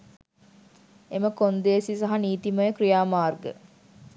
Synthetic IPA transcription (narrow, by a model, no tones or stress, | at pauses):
eməkond̪esisaɦaniːt̪iməjəkɾijaːmaːrɡə̰